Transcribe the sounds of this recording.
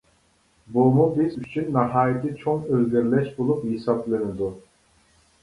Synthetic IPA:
bumubizyt͡ʃʰynːɑɦɑːjit̪ʰɪt͡ʃʰoŋøzɡʲɛɾlɛʃbolˠuphisɑplɪnɪd̪u

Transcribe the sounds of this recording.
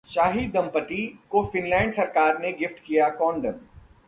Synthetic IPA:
ʃaːɦid̪ɐ̃mpət̪ikofɪnlaːɪ̃ɳɖsɐɾkaːɾneɡɪfʈkijakɔ̃ːɳɖən

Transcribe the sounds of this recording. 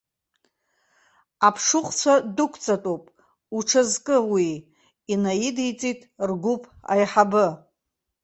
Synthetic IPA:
apʰʂʊχʷʼt͡sʷʰadʊkʷʰt͡sʼatʼopʼ | uʈ͡ʂʰazkʼɨwiː | najidijt͡sʼitʼrɡʷupʰʼa̰jħabɨ

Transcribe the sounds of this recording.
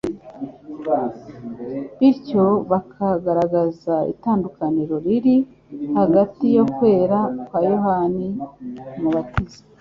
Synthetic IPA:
βiɾco̞βakʰaɡaɾaɡazaḭtaːndukaniɾo̞ɾiɾi | haɡatijo̞kwe̞ːɾakwaːjoɦanimuβatiz̥i̥

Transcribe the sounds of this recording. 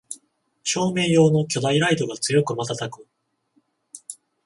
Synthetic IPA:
t͡ɕo̞ːme̞ːjo̞ːno̞kʲo̞d̪aiɾaid̪o̞ɡat͡sɨjo̞kɯ̟mat̪at̪akɯ̟

